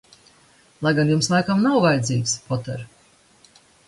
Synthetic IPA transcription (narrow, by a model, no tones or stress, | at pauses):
lˠajɡanjumslˠajkamnawvajd̪ziːkspɔt̪ɛɾ